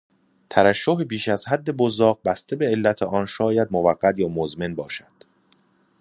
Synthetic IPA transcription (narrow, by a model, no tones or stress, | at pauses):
t̪ʰæɾæʃːoɦebiːʃæzhæd̪ːe̞bozɒːɣ̚bæst̪ʰe̞be̞elːæt̪ʰeʔɒnʃɒːjæd̪movæɢːæt̪jɒːmozme̞nbɒːʃæd̪̥